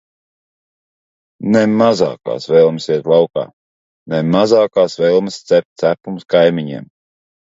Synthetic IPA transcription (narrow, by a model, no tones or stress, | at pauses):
nemaza̰ːka̰ːsvɛlˠmsiɛt̪lˠawka̰ː | nemazaːkaːsvɛlˠmst̪sɛp̚t̪̚ʲt̪sæpumskajmiɲɛ̰ɛm